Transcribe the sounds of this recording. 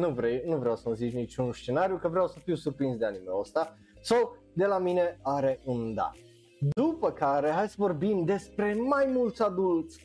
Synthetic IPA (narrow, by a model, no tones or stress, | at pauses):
nuvɾewnuvɾeawsəməzit͡ʃnit͡ʃunst͡ʃe̞naɾjukəvɾeawsəfiwsurpɾinsd̪eanimeost̪a | saw | d̪e̞lamine̞aɾe̞ʔund̪a̰t | d̪upəkaɾe̞ɦajsəvo̞rbimd̪e̞spɾe̞majmult̪sad̪ult̪sʲ